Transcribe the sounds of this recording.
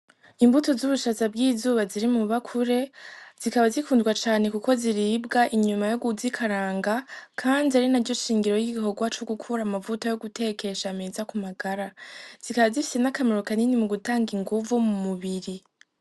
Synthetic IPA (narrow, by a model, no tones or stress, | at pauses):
imbuto̞zuβuʃazabɡiːzuːβaziɾimuβakʰuɾe̞z̥ikaβazikuːndɡwat͡ʃaːne̞kuko̞ziɾiːbɡaʔiɲumajo̞ɡuzikʰaɾaːŋɡakʰaːndiaɾinaɾɟoʃiːŋɡiɾo̞jiɡiho̞ɡwat͡ʃoɡukʰuɾamavutojo̞ɡute̞ke̞ʃameːzakumaɡaɾaz̥ikaβazifi̥se̞nakameɾo̞kaninimuɡutaːŋɡiŋɡuvumumuβiɾi